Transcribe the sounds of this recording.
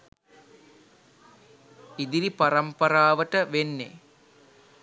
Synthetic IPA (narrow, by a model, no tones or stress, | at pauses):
id̪iɾipɐɾɐmpɐɾaːʋəʈəʋenːḛ